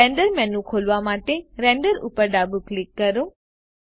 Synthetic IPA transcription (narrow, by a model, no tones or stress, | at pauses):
ẽɳɖəɾmɛnũkʰolʋamaʈeɾɛ̃ɳɖəɾṵpəɾɖabuklikːəɾõ